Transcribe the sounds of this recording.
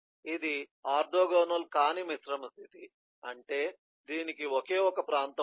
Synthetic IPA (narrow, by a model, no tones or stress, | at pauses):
id̪iaːɾd̪ʱoːɡɔːnɐlkaːnimisɾɐmɐst̪ʰit̪i | ɐɳʈeː | d̪iːnikiɔke̞ːɔkɐpɾaːnt̪ɐ